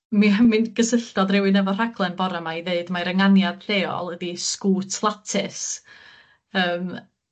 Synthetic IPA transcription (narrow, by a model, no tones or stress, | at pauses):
mimɨnɡ̥əsɪɬd̥ɔdrɪwɨnɛvɔr̥aɡlˠɛnbɔɾamaiðeɨdmaɾəŋanjad̥ɬeːɔ̰lˠədiskuːtʰlˠatʰɪs | əːm